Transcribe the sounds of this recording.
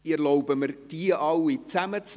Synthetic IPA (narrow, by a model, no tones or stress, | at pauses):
ɪɾlɔʊbəmərd̥iəʔɑwit͡sæmət͡s